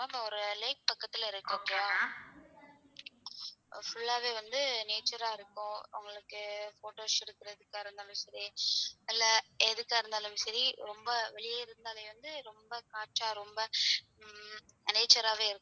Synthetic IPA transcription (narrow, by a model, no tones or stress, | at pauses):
apaɔɾɯleːk̚pɐkːɐt̪ːɪlɐɪɾɯkːɯkːaː | fʊɭːaːʋeːʋɐnd̪ɯneːt͡ʃɐɾaːɪɾɯkːʊ̃ʊ̰ŋɡɐɭɯkːɯfoːʈoːsɪɽɯkːɪɾɐðɯkːaːɪɾɯnd̪aːlɯmsɐɾiɪlːɐɛðɯkːaːɪɾɯnd̪aːlɯmsɐɾiɾɔmbɐʋɛɭɪjaːɪɾɯnd̪aːleːʋɐnd̪ɯɾɔmbɐkaːt͡ʃːaːɾɔmbɐ | neːt͡ʃːɐɾaːʋeːɪɾɯkːʊ̃